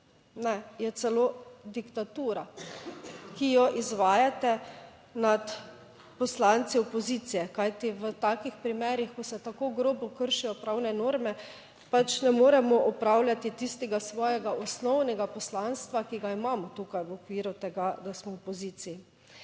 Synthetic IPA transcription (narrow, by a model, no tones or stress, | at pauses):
nɛjɛt̪sɛloːd̪ikt̪at̪uːɾa | kijɔʔizʋaːjat̪ɛ | nat̪ | pɔslant̪siɔpɔzit̪sijɛkajt̪iʋət̪akixpɾimɛːɾixkɔsɛt̪akoɡɾoːbɔkəɾʃijɔpɾawnɛnoːɾmɛ | pat͡ʃnɛmoːɾɛmɔʔɔpɾawlʲjat̪it̪ist̪ɛɡasʋɔːjɛɡaʔɔsnɔwnɛɡapɔslanst̪ʋakiɡaimaːmɔt̪uːkajʋɔkʋiːɾut̪ɛɡad̪asmɔɔpɔziːt̪siji